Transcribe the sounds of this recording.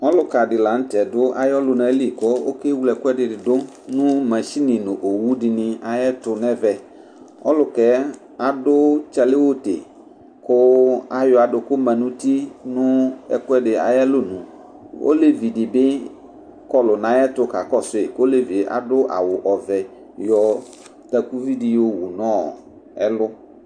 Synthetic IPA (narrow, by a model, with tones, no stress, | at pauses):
ɔ˦lʊ˦ka˨dɪ˨la˨n̩˦tɛ˨dʊ˦ʔa̰˨˦jɔ˦lʊ˦na˨˦li˨ko˦o˦ke˦wu˦lɛ˨kʷɛ˦dɪ˨dɪ˨dʊ˦ | nʊ̃˦mɛ̃˨ʃi˦nɪ̃˨nʊ˨ʔo˨wu˦dɪ˨nɪ̃˨a˨jɛ˦tʊ˧nɛ˦vɛ˨ | ɔ̰˦lʊ˦kɛ˦ | a˨dʊ˦t͡ʃɛ˨lɪ˦wo˦tḛ˨ | kʊ˦a˨jɔ˦a˨dʊ˨kʊ˦mɛ̃˨nũ˦ti˦nʊ̃˦ɛ̰˦kʊ˦ɛ˦ɖɪ˨a̰˨jɛ˦lʊ˦nũ˨ | o̰˦le˦vi˨dɪ˨bɪ˦ | kɔ˦lʊ˨nã˨˦jɛ˦tʊ˦ka˨kɔ˦sʊ˦e˨ko˦le˦vi˨ʔa̰˨dʊ˦ʔa̰˨wʊ˨ʔɔ˨vɛ˨ | jɔ˨ | t̪ɛ˨ku˦vi˦di˦jo˦wu˨nɔ̃˦˨ | ɛ̰˦lʊ˦